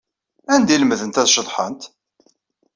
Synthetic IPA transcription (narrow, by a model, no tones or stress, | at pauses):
ænd̪iləməðənt̪æðʃəðˤħə̰nt̪